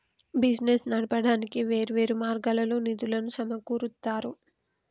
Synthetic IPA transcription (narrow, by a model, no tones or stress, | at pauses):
bid͡ʒnesnɐɽɐpɐɽaːnikiʋe̞ːɾuʋe̞ːɾumaːɾɡalɐloːnid̪ulɐnusɐmɐkuːɾut̪ːaːɾu